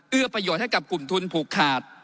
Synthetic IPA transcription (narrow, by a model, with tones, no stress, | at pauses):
ʔɯ˥˩əpɾa˧joː˨˩t̪̚ha˥˩jka˨˩p̚ku˨˩mt̪ʰu˧npʰuː˨˩kʰːaː˨˩t̪̚